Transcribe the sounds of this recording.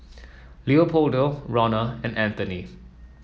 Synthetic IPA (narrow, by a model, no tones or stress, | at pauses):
liopʰoldoɹɔnəɛ̃næ̃nt̪əni